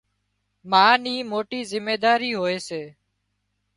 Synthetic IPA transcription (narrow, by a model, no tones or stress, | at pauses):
mãːnĩːmoːʈiːzɪmːeːd̪aːɾiːɦoːeːseː